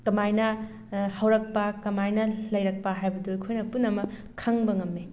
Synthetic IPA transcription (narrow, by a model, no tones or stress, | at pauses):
kɐmajnɐ | hɐwɾɐk̚pɐkɐmajnɐlɐjɾɐk̚pɐɦajbɐdojkʰojnɐpunɐmɐ | kʰɐŋbɐŋɐmːe